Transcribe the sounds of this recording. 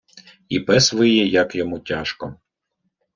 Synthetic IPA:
ipɛsʋɪjɛjɐkjɔmutʲaʃkɔ

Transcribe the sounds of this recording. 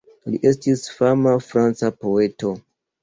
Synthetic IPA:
liʔe̞stisfamafɾant͡sapo̞e̞to̞

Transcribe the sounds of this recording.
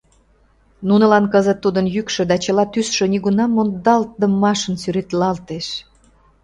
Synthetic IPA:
nunə̆lɑnkəzət̪ːud̪ənjykʃø̆d̪ɑt͡ɕəlɑt̪ysʃø̆niɣunɑmːond̪ɑlt̪̚d̪əmːɑʃənsyɾet̪lɑlt̪eʃ

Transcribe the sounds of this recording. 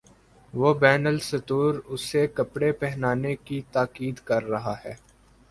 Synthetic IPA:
ʋoːbɛːnəlsɐt̪uːɾʊsekɐpɽepɛɦnaːnekit̪aːkiːd̪kɐɾːɐɦaɦɛː

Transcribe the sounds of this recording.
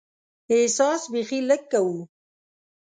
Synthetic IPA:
esɑːsbixiləkːawu

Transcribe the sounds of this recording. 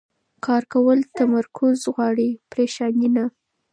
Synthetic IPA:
kɑɾkawəlt̪amaɾkʰʊzɣwɑɽipɾeʃɑnina

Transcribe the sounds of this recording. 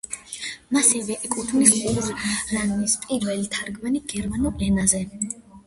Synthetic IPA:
masɛvɛʔɛkʼut̪ʰnisχʼuɾzɾannispʼiɾvɛlit̪ʰaɾɡmaniɡ̥ɛɾmanulɛnazɛ

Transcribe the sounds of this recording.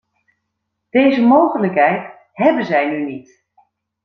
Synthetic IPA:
d̥eːzəmoːχənləkɦɛjt | hɛbəzɛjnynit

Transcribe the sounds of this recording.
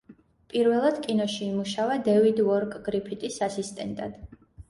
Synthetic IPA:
pʼiɾvɛlˠad̪̥kʼinɔʃiːmuʃavad̪ɛvid̪vɔɾkʼɡɾipʰit̪ʼisasist̪ʼɛ̰nt̪ʼa̰d̪̥

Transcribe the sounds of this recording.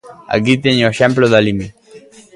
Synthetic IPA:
a̰k̬it̪eɲoeʃɛmploðalimi

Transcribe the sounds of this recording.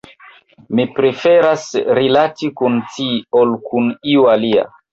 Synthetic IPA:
mipɾe̞fe̞ɾasɾilatikuntiolkuniualia̰

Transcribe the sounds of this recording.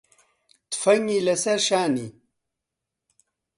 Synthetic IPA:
t̪fɐŋilɐsɐɾɕaːnḭ

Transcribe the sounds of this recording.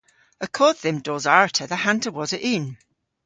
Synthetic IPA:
əkʰɔːd̪̚ðə̃mdɔːzaɹtʰəðəhãntʰəwɔzəʔɪn

